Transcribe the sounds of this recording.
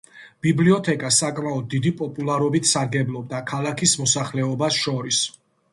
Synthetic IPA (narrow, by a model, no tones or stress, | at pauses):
b̥ibliɔt̪ʰɛkʼasakʼmaɔd̪̚ːid̪ipʼɔpʼulˠaɾɔbit̪ʰsaɾɡɛblˠɔb̚d̪akʰalakʰismɔsaχlɛɔbasʃɔɾis